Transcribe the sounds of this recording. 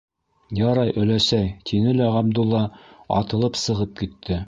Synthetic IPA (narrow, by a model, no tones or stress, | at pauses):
jɑɾɑjʔɵ̆læsæjt̪ʰinɘlæʁɑb̚d̪ulˠːɑɑ̰t̪ɤ̆lˠɤpsɤ̆ʁɤp̚kit̪ʰːɘ